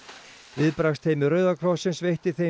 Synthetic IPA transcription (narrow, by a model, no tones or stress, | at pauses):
vɪðpɾaxst̪ʰejmɪrœːɥðakʰɾɔsɪnsvejht̪ɪθe